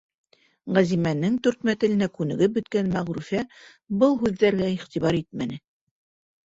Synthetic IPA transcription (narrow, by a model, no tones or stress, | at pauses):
ʁæzimænːɘŋt̪ʉɾt̪mæt̪ɘ̆lɘ̆nækʉnɘ̆ɡɘbɵ̆t̪kænmæʁɾʉfæ | bɤlˠɦʉðːæɾɡæiχt̪iβɑɾit̪̚mænɘ